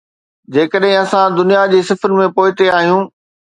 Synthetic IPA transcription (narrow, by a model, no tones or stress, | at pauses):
d͡ʑeːkəɗɦɪ̃ɐsãd̪ʊnijad͡ʑeːsɪfəɾɪ̆mẽpoːɪt̪eaːɦijũː